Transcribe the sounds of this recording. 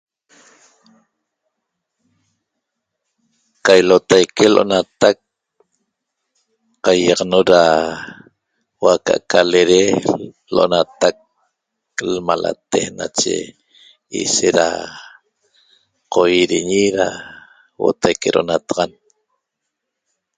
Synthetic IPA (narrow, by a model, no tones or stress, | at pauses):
qajlot̪ajkeloʔonat̪ak̚ | qajːɑʁnoɾa | waka̰ʔkʰaleɾe | loʔonat̪ak̚ | lmala̰t̪ehna̰t͡ʃḛ | ḭseɾa̰ | qʰojiɾiɲiɾa | wo̰t̪ʰajkeɾoʔonat̪aʁɑn